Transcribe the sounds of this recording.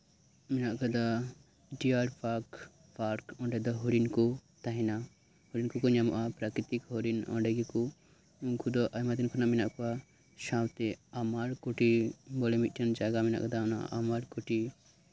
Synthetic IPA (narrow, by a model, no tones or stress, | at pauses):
minaʔkɔd̪a | ɖiaɾpaɾk | paɾkɔ̃ɳɖɛd̪aɦɔɾinkɔt̪aɦina | hɔɾinkukɔɲamɔ̰ʔapɾakɾit̪ikɦɔɾinɔ̰ɳɖɛɡiku | kʰud̪ɔʔamat̪inkʰunaminaʔkua | ʃãwt̪ɛamaɾkɔʈibɔlɛmit̚ʈʰɐnd͡ʒaɡamina̰ʔkɔd̪aɔna̰amaɾkɔʈi